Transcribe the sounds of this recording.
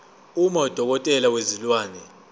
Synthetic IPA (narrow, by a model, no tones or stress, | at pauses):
umɔd̥ʱɔk̬ɔtʼɛlawezilwaːnɛ